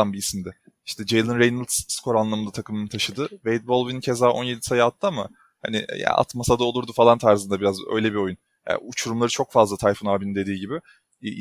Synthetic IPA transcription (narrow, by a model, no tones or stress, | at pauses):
anbiːsmd̪ɛ | iʃt̪ʰɛd͡ʒejlˠɯnɾejnɯlsskʰo̞ɾanlˠamɯnd̪at̪ʰakʰɯmɯnɯt̪ʰaʃɯd̪ɯvejt̪̚bo̞lˠvincʰe̞zaːʔo̞nje̞d̪i̥sajaat̪ʰːɯama | ha̰nḭja̰ʔa̰t̪masad̪aolˠuɾd̪ufalˠant̪ʰaɾzɯnd̪abiɾazø̰jlʲebio̞jun | ja̰ut͡ʃʰuɾumlˠaɾɯt͡ʃʰo̞kfazlˠat̪ʰajfonaːbinind̪e̞d̪iːɟibɪ